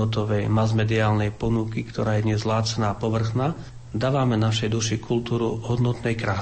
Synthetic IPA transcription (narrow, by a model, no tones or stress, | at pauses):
ɔt̪̬ɔʋɛjmazmɛd̪iaːlnɛjpɔnukikt̪ɔɾaːjɛd̪ɲɛzlaːt͡sɛnaːpɔʋr̩xnaː | d̪aːʋamɛnaʃɛjd̪uʃikʰult̪uːɾuɦɔd̪nɔt̪nɛjkɾa